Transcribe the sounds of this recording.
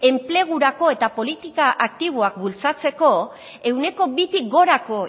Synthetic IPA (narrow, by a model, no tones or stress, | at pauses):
e̞mple̞ɣ̞uɾako̞e̞t̪apo̞lit̪ikaʔak̚t̪iβ̞oak̚bult͡sat͡se̞ko̞ | e̞wne̞ko̞βit̪ik̚ɡo̞ɾako̞